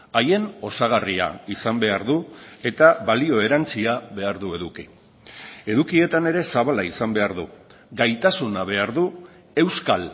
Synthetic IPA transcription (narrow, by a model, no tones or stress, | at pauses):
aje̞no̞saɣ̞aria̰isambe̞aɾðue̞t̪aβalio̞e̞ɾant͡siaβe̞aɾðue̞ðuki | e̞ðukie̞t̪ane̞ɾe̞saβalaisambe̞aɾðṵ | ɡajt̪asunaβ̞e̞aɾðu | e̞wskal